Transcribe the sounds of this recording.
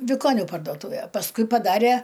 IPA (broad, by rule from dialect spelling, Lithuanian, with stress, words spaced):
ʋʲɪˈkoːnʲʊ pɐrdoːˈtuːʋʲeː pɐsˈkʊɪ pɐˈdɑːrʲeː